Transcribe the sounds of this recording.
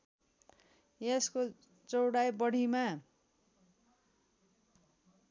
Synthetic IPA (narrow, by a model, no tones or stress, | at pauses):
jesko | t͡sʌwɽajbʌɽ̤ʱima